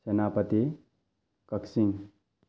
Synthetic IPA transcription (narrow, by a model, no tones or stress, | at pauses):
sɐnaːpɐt̪i | kɐksiŋ